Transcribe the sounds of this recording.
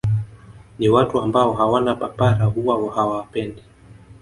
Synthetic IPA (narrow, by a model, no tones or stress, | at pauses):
niwatuambaɔɦawanapapaɾaɦuwawahawapɛndi